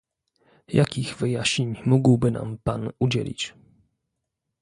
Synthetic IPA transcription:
jakʲiɣvɘjaɕɲeɲmuɡwbɘna̰mpanud͡ʑḛlʲḭt͡ɕ

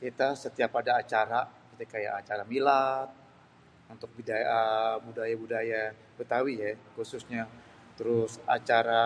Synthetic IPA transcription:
kit̪asət̪iapadaːt͡ʃaɾakit̪akaja̰ʔat͡ʃaɾamilat̪̚ | unt̪ʊk̚bidabudajabudaja | bət̪awijakusʊsɲa | t̪əɾʊsa̰t͡ʃaɾa

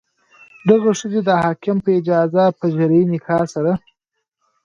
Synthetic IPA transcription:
d̪aɣaʂəzed̪əhɑkɪmpəɪd͡ʒɑzapəʒaɾiinɪkʰɑsaɾa

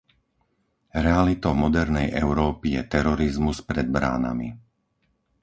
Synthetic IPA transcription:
ɾɛalit̪ɔʊmɔd̪ɛɾnɛjʔɛʊɾɔːpijɛt̪ɛɾɔɾizmuspɾɛd̪̚bɾa̰ːna̰mḭ

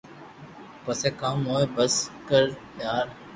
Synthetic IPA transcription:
pəseːkaːmoːebəskəɾpjaːɾ

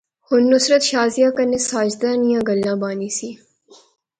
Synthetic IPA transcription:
hʊnːʊsɾət̪ʃaːzijaːkənesaːd͡ʒd̪anijãːɡəlːãːbãːniːsiː

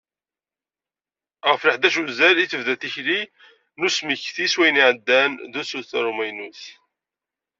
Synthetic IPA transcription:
ʁəfɾəħd̪æʃuzæliθəvðæθiçli | nusməçθiswæjniʕəd̪ːænðusuθɾˤumæjnuθ

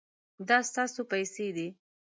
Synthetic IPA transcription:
d̪ɑst̪ɑsopajsed̪i

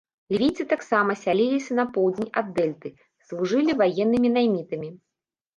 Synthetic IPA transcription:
lʲvʲit̪sɨt̪aksamɐsʲalʲilʲisʲɐnɐpɔwd͡zʲenʲad̪ːɛlʲt̪ɨ | slˠuʐɨlʲivajɛnːɨmʲinajmʲit̪ɨmʲi

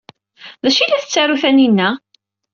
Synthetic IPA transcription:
ðæʃilæθət͡sːaɾuθæninːæ

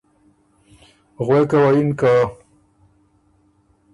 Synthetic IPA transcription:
ɣwekawajinka

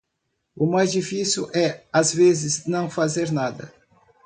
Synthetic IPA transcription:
ʊmajzd͡ʒifisuʔɛazvezɪznɐ̃w̃fazeɾnad̪ɐ̰

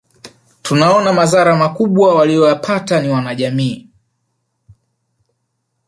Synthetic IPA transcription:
tunaɔnamazaɾamakuɓwawalijɔjapʰataniwanaʄamiː

